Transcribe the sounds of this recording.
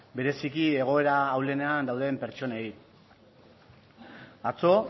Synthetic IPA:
be̞ɾe̞sikie̞ɣ̞o̞e̞ɾaːwle̞ne̞and̪awðe̞mpe̞ɾt͡ʃo̞nei | at͡so̞

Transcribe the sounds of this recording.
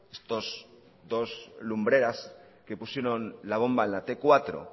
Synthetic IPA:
est̪oz | d̪o̞zlumbɾe̞ɾas | kepusjeɾonlaβ̞o̞mbaenlat̪e̞kwat̪ɾo̰

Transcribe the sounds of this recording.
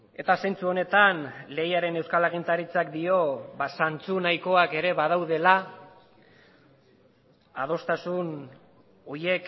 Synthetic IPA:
e̞t̪asajnt͡suo̞ne̞t̪anle̞jaɾe̞ne̞wskalaɣ̞int̪aɾit͡sak̚d̪io̞βasant͡sunajko̞ake̞ɾe̞βaðawð̞e̞la | að̞o̞st̪asun | o̞je̞k

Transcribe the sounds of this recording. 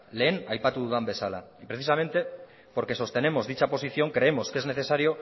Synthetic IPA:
le̞ːnajpat̪uðuðambe̞sala̰ipɾe̞θisame̞nt̪e̞ | po̞ɾke̞so̞st̪e̞ne̞mo̞zðit͡ʃapo̞s̬iθjo̞ŋkɾe̞emo̞ske̞zne̞θe̞saɾio̞

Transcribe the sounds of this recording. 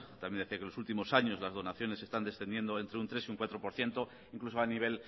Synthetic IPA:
t̪amjend̪e̞θiakelosult̪imo̞saɲo̞zlazð̞o̞naθjo̞nese̞st̪and̪e̞sθe̞nd̪je̞nd̪oe̞nt̪ɾeunt̪ɾe̞siuŋkwat̪ɾo̞poɾθje̞nt̪o | iŋklusoaniβ̞e̞l

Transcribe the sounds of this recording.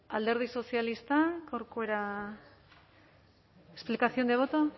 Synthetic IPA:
ald̪e̞ɾð̞iso̞sialist̪akawɾkoeɾa | esplikaθio̞nd̪e̞β̞ot̪o

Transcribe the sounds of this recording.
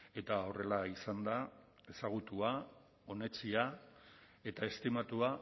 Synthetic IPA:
e̞t̪ao̞re̞laisand̪a | e̞saɣ̞ut̪ua | o̞ne̞t͡sia | e̞t̪ae̞st̪imat̪ua

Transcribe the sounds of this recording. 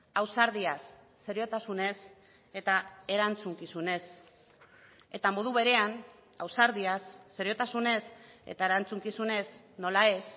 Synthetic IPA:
awsaɾðiasː | e̞ɾio̞t̪asune̞s | e̞t̪ae̞ɾant͡suŋkisune̞s | e̞t̪amo̞ð̞uβe̞ɾe̞an | awsaɾðiasːe̞ɾio̞t̪asune̞se̞̰t̪aeɾant͡suŋkisune̞z | no̞lae̞s

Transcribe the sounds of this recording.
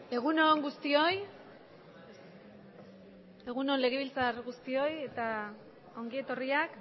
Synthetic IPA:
e̞ɣ̞uno̞ŋɡust̪io̞j | e̞ɣuno̞nle̞ɣeβ̞ilt͡saɾɣust̪io̞je̞t̪a | o̞ŋɡie̞t̪o̞riak

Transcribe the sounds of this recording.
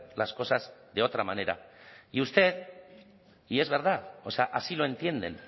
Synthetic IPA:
lasko̞sazðeo̞t̪ɾamane̞ɾa̰iust̪e̞ð | ie̞zβe̞ɾðaoseaʔasilo̞e̞nt̪je̞nd̪e̞̰n

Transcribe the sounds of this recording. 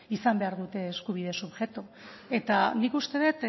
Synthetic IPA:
isambe̞aɾðut̪e̞ːskuβið̞e̞suβʝe̞t̪ue̞t̪anikust̪e̞ðet̪

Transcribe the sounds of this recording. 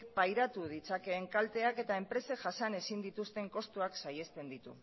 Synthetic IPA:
kpajɾat̪uð̞it͡sake̞ːŋkalt̪e̞ake̞t̪ae̞mpɾe̞seʝasane̞sind̪it̪ust̪e̞ŋko̞st̪uaksaje̞st̪e̞nd̪it̪u

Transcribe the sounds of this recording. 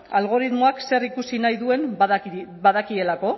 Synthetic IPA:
alɣ̞o̞ɾiðmo̞akse̞rikusinajðue̞n | baðakie̞lako̞

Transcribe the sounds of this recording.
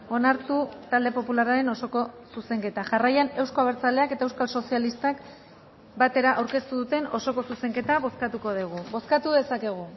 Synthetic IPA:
o̞naɾt̪ut̪ald̪e̞po̞pularaɾe̞no̞so̞ko̞suse̞ŋke̞t̪aʝarajane̞wsko̞aβ̞eɾt͡saleake̞t̪aewskalso̞sialist̪ak | bat̪e̞ɾaʔawɾke̞st̪uðut̪e̞no̞so̞ko̞suse̞ŋke̞t̪aβo̞skat̪uko̞ðiɣ̞ubo̞skat̪uðe̞sake̞ɣ̞u

